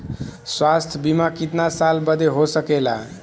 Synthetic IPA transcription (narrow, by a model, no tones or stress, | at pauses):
swast̪ʰbimakit̪nasalbəd̪ʱeɦosəkela